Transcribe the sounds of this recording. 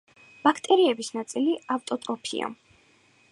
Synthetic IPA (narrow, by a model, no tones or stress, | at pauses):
b̥akʰt̪ʼɛɾiɛbisnat̪sʼiliaft̪ʼɔt̪ʼɾɔpʰḭa̰